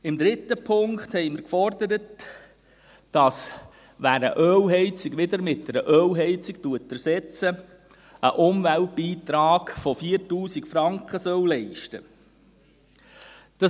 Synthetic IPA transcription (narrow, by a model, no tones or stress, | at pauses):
ɪmd̪ɾɪtːəpʰʊŋkt̪hɛɪmɪɾkfɔrd̪əɾət | d̥ɑs | ʋæːɾə̰ʔœːwɦɛɪt͡siɡʋɪd̪əɾmɪt̚dɛɾəʔœwɦɛɪt͡siktuətæɾsɛt͡sə | əʔʊmvælt̚b̥iːt̪ɾɑːɡfɔfiəɾtuːsikfɾɑŋkχəsœwlɛɪʃtə | d̥ɑ